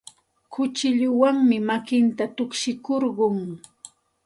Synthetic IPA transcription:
kʊt͡ʃɪʎʊwaŋmɪmakɪnt̪at̪ʊkʃɪkoɾɢʊŋ

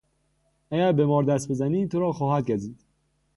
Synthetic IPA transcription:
æɡæɾbemɒːɾd̪æst̪̚be̞zæniːt̪ʰoɾɒːxɒːhæd̪̚ɟæziːd̪̥

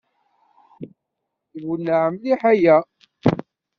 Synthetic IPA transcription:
wunːaʕəmliħajæ

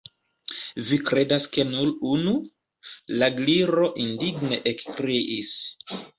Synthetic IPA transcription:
vikɾe̞daske̞nulunu | laɡliɾo̞ʔindiɡne̞ʔekkɾeʔis

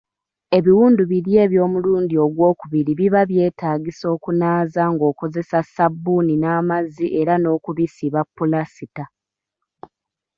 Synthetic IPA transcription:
e̞βiwuːnduβiɾje̞ːβjo̞ːmuluːndio̞ɡwo̞ːkuβiɾiβiβaβje̞ːtaːɡiso̞ːkunaːzaŋɡo̞ːko̞ze̞sasabːuninaːmaziʔe̞ɾano̞ːkuβisiβapːulasita

